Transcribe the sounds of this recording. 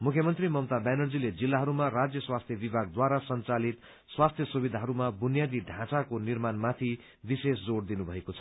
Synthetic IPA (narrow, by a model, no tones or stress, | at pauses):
mukʰjʌmʌnt̪rimʌmt̪abjanʌrd͡ziled͡zilːaɦʌɾumarad͡zjʌswast̪ʰjʌbibʱaɡ̚d̪waɾasʌnt͡salit̪ | swast̪ʰjʌsubid̪ʱaɦʌɾumabunjad̪iɖʱãt͡sakonirmanmat̪ʰi | bisesd͡zoɽd̪inubʱʌekot͡sʰʌ̥